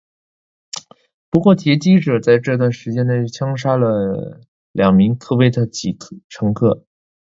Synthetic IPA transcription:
pu˧˥kwɔ˥˩t̪ʰjɛ˧˥t͡ɕi˥ʈ͡ʂɤ˨˩t͡sa˥˧ɪʈ͡ʂɤ˥˧t̪wa˥˩nʂɻ̩˧˥t͡ɕjɛ˥nne˥˩ɪt͡ɕʰjɑ˥ŋʂa˥lə˨ | ljɑ˨˩ŋmi˧˥ŋkʰɤ˥˧we˥˩ɪt̪ʰə˥˩t͡ɕi˨˩˥ʈ͡ʂʰɤ˧˥ŋkʰɤ˥˩

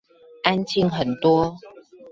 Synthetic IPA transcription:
ʔa˦nt͡ɕʰi˥˧˨ŋxə˨˩nt̪wɔ˦

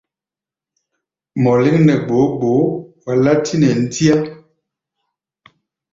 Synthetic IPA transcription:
mɔ˨le˦ŋnɛ˨ɡ͡bo˨˦ɡ͡bo˨˦wa˨la˦tʰi˦nɛ˨n̩˦ti˦a˦

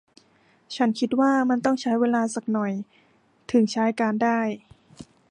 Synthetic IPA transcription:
t͡ɕʰa˦˥nkʰi˧˥t̪̚waː˥˩ma˧nt̪ɔ˥˩ŋt͡ɕʰa˦˥jweː˧laː˧sa˨˩k̚nɔ˨˩j | t̪ʰɯ˨˩˦ŋt͡ɕʰaː˦˥jkaː˧ndaː˥˩j

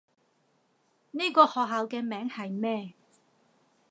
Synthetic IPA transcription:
ni˥kɔː˧hɔː˨ɦaː˨˧wkɛː˧mɛː˨˥ŋhɐ˨jmɛː˥˩

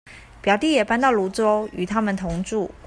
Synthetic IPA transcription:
pjɑ˨˩ʊt̪i˥˩jɛ˨˩pa˥nt̪ɑ˥˩ʊlu˧˥t͡so˥ʊy˨˩t̪ʰa˥mə˨nt̪ʰʊ˧˥ŋʈ͡ʂu˥˩

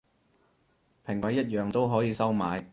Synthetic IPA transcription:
pʰɪ˨˩ŋkwɐ˨˥jːɐ˥t̚jœː˨˧ŋt̪o˥wɦɔː˨˥jiː˨˧sɐ˥wmaː˨˧j

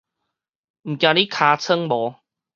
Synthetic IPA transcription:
m̩˨˩kja˧˩ni˦kʰaː˧t͡sʰə˦˥ŋmɔː˨˦

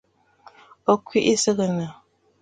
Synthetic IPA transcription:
o˦kwi˦ʔi˦sə˦ɣə˨nə˨

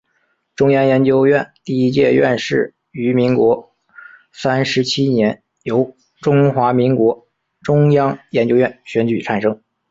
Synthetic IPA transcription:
ʈ͡ʂʊ˥ŋjɑ˥ŋjɛ˧˥nt͡ɕjo˥ʊjɥɛ˥˧nt̪i˥˩i˥t͡ɕjɛ˥˧ɥɛ̰˥˧nʂɻ̩˥˩ | y˧˥mi˧˥ŋkwɔ˧˥ | sa˥nʂɻ̩˧˥t͡ɕʰi˥njɛ˧˥n | jo˧˥ʊ | ʈ͡ʂʊ˥ŋxwa˧˥mi˧˥ŋkwɔ˧˥ | ʈ͡ʂʊ˥ŋjɑ˥ŋjɛ˧˥nt͡ɕjo˥ʊɥɛ˥˩nɕɥɛ˧˥nt͡ɕy˨˩ʈ͡ʂʰa˨˩nʂɤ˥ŋ

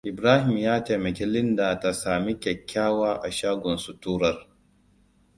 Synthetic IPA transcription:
ʔɪ˨bɾaː˦hɪ˨mjaː˦teː˨mɐ˨kʲeː˦lɪ˦ndaː˨ta˨saː˨mi˦kʲɛ˨kʲːaː˦waː˦ʔa˨ʃaː˦ɡʷɔ˨nsu˦tuː˦ɾɐ˦r

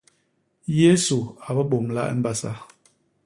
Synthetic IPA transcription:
je˦su˨a˨bə˦ɓo˨mla̰˦ʔə̰˦m̩˦ba˦sa̰˦

